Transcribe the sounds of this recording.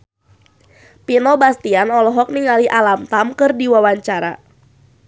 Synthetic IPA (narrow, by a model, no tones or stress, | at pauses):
pinɔbast̪ianɔlɔɦɔk̚niŋaliʔalamt̪amkɨrdiwawaɲt͡ʃaɾa̰